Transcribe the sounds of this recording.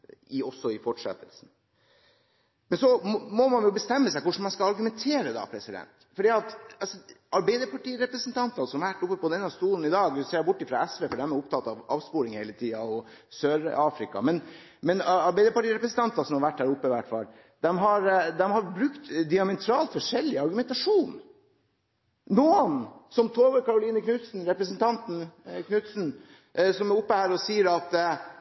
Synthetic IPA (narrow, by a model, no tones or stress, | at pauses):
ɪɔsːɔɪfɔʈʂɛ̰t̪ːəlsn̩ | mɛnsɔɔmɔmɑnjʊbəst̪ɛmːəsæɪkʊʂn̩mɑnskɑɑɾɡʉmɛnt̪ʰeːɾəd̪ɑ̰ːpʰɾɛsɪd̪ɛ̰nt̪fɔɖiːɑt̪ɑlsɔʔɑɾbæɪd̪əpʰɑʈiːɾɛpɾəsənt̪ʰɑnt̪ɑsɔmɑʋæʈːʊpːəpɔd̪ɛnːɑst̪uːln̩ɪd̪ɑːɡseːɾbʊʈːɪfɾɑɛsʋɛfɔɖæmɛʊp̚t̪ʰɑt̪ːɑʋɑːʋspuːɾɪŋheɪlət̪ʰiːɑɔ | søːɾɑːfɾɪkɑ̰mɛn | mɛnɑɾbæɪd̪əpɑʈiːɾɛpɾəsn̩t̪ʰɑnt̪ɑsɔmhɑɾʋæʈːhæːɾʊpːəʋæʈfɑ̰l | d̪ɛmɦɑɾd̪ɛmhɑɾbɾʉkt̪d̪ɪɑmɛt̪ʰɾɑːlt̪fɔʂɛlːɪɑɾɡʉmɛnt̪ɑʂuːn | nuːənsɔmt̪ʰoːʋəɾkɑɾʊliːnəkʰnʉt̪sn̩ɾɛpɾəsənt̪ʰɑnt̪n̩kʰnʉt̪sn̩ | ʔsɔmɛɾʊpːəhæːɾɔsiːəɾɑt̪